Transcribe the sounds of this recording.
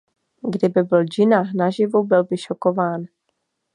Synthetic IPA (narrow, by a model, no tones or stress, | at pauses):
ɡdɪbɪbɪld͡ʒɪnaxnaʒɪvubɪlbɪʃokovaːn